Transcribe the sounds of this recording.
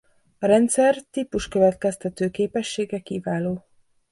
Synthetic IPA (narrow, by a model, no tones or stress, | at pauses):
ɒɾɛnt̪sɛrt̪ipuʃkø̞vɛt̪kɛst̪ɛt̪øːkeːpɛʃːeːɡɛkivaːloː